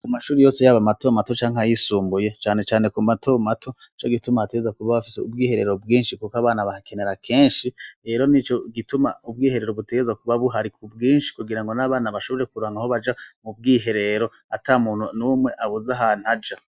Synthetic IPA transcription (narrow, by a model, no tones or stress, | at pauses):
kumaʃuːɾijo̞ːse̞jaβamato̞mato̞t͡ʃaːŋhajisuːmbuje̞t͡ʃaːne̞t͡ʃaːne̞kumato̞matʰo̞ | it͡ʃo̞ɡitumaateɡezakuβaβafi̥seubɡiːhe̞ɾe̞ɾo̞bɡiːnʃikukaβaːnaβahake̞ne̞ɾakʰe̞ːnʃiɾe̞ːɾo̞nit͡ʃo̞ɡituma̰ub̚ɡiːhe̞ɾe̞ɾo̞βute̞ɡezakuβaβuɦaɾikʰubɡiːnʃi̥kuɡiɾaŋɡo̞naβaːnaβaʃo̞βo̞ɾe̞kuɾuaːŋɡaho̞βad͡ʒamub̚ɡiːɦe̞ɾe̞ɾo̞ | atamuːn̥hunumwe̞ʔaβuzaɦanad͡ʒa